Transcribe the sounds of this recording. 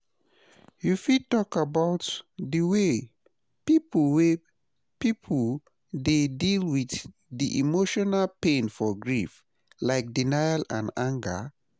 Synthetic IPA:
jufid̚tɔkabaʊtdiwe | pipulwe | pipʰul | dedilwiθ | diʔḭmoʃɔnalpẽnfɔɡɹif | laɪk̚dinajalãnãŋɡə̰

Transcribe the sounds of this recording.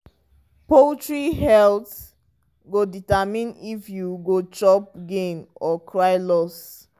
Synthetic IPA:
poltɹihɛlt | ɡoditamĩnifjuɡot͡ʃɔp̚ɡẽmɔkʰɹajlɔs

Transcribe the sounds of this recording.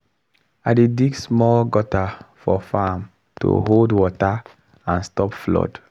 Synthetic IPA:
adediɡsmɔlɡɔtafɔfam | to̰ɦoldwɔta | ãnstɔpflɔ̰d

